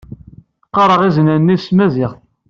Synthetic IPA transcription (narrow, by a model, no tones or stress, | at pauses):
qːɑɾˤəʁiznænːismæzɪʁ